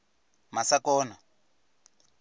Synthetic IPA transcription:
masakɔːna

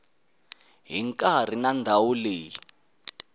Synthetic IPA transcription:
ɦiŋkʼar̤inandʱawuleːji

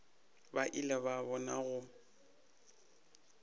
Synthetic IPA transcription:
baʔilɛβabɔnaɣʊ

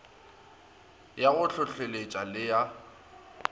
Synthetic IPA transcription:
jaɣʊɬʰʊɬelet͡ʃʼalɪja

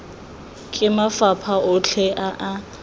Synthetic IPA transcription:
kʼɪmafapʰaʔʊt͡ɬʰɛʔaʔa

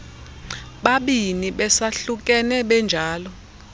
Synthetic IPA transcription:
ɓaɓiniɓɛsaɬuk̬ʼɛnɛɓɛnd͡ʒʱaːlɔ

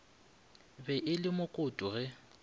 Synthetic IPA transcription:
bɛʔɪlɪmʊkʼʊtʼʊɣɛ

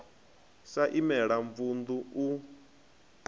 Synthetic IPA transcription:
saʔimɛɺaɱfund̪uu

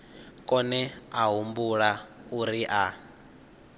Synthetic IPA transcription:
kʼɔnɛaɦumbuɺauɾiʔa

